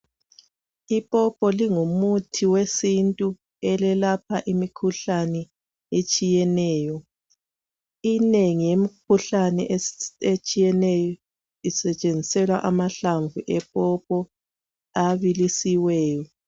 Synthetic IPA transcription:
ipʼɔpʼɔliŋumutʰiwesintʼu | ɛlɛlapʰaʔimikʰuɬanɛ | et͡ʃʼijɛnɛːjɔ | ineŋijemik̚ʰuɬanɛʔet͡ʃʼijɛnɛjɔ | isɛt͡ʃʼend͡zʱisɛlwaʔamaɬaɱvuʔɛpʼɔp̚ʼɔ | aβilisiwɛːjɔ

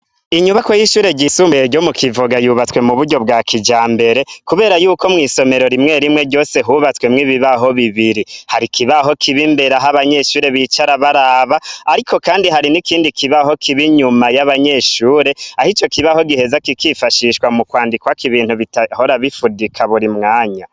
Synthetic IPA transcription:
iɲuβakojiʃuːɾe̞ɟisumeɾɟo̞mukʰivoɡajuβat͡swe̞muβuɾɟo̞bɡaːkid͡ʒaːmbe̞ɾe̞kuβe̞ːɾajuːko̞mŋiːso̞me̞ɾo̞ɾimŋe̞ɾimŋe̞ɟo̞ːse̞ɦuβat͡swe̞mŋiːβiβaɦo̞βiβiɾihaɾikʰiβaɦo̞kʰiβimbeɾaɦaβaɲe̞ʃuːɾe̞βiːt͡ʃaɾaβaɾaβaaɾiko̞kaːndiɦaɾinikiːndikʰiβaho̞kʰiβiɲumajaβaɲe̞ʃuːɾe̞ahit͡ʃo̞kiβaho̞ɡihe̞zakikifaʃiʃwamukwaːndikwakiβiːnhuβitaho̞ɾaβifudikʰaβuɾimŋaːɲa

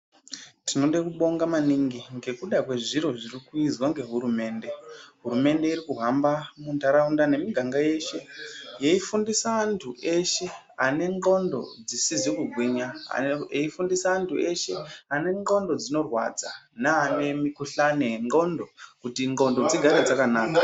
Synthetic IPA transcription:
tinoɗekuɓo̞ŋɡamaniŋɡiŋɡe̞kuɗakwe̞ʐiɾo̞ʐirikuizwaŋɡe̞ɦuɾume̞ːnde̞ɦuɾume̞nde̞iɾikuɦambamuntaɾaundane̞miɡʱaŋɡaje̞ʃe̞jeifundisaːntʰuʔe̞ʃe̞ | ane̞ŋo̞ndo̞̰d͡zisizikuɡʱwiɲa̰eifundisaːntʰue̞ʃe̞ane̞ŋɡo̞ndo̞d͡zino̞rwa̰d͡za̰naane̞mikuɬaneeŋɡo̞ndo̞kutiŋɡo̞ndo̞d͡ziɡʱaɾed͡zakanaːka

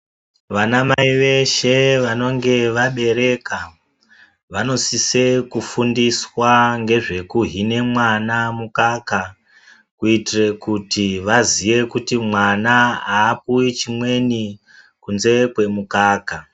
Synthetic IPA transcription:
ʋanamaiʋe̞ʃe̞ʋano̞ŋɡe̞ʋaɓe̞ɾe̞ka | ʋano̞sise̞kufundiswaŋɡe̞ʐe̞kuɦine̞mwanamukaka | kuitire̞kutiʋazije̞kutimwanaaːpuit͡ʃimwe̞ni | kunze̞kwe̞mukaːka

